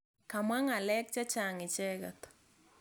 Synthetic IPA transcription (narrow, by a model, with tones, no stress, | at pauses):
ka˨mwa˦ŋa˨lɛ˦k̚t͡ʃa˦t͡ʃa˨ŋɪ˨t͡ʃɛ˦ɡa˨t̪